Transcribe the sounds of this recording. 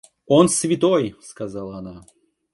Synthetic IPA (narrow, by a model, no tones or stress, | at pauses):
onsvʲɪt̪ojskazalˠəɐna